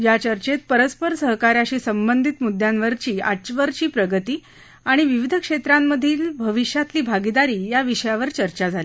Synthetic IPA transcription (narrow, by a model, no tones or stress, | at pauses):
jat͡ɕəɾt͡ɕet̪̚pəɾəspəɾsəɦkaɾjaɕiːsəmbənd̪ʱit̪mud̪ʱjanʋəɾt͡ɕiːa̰t͡ɕʋəɾt͡ɕiːpɾəɡət̪iː | aɽ̃iʋiʋid̪ʱəkʂet̪ɾamːəd̪ʱiːlbʱəʋiʂjat̪liːbʱaɡid̪aɾiːjaʋiʂəjaʋəɾt͡ɕəɾt͡ɕad͡zʱali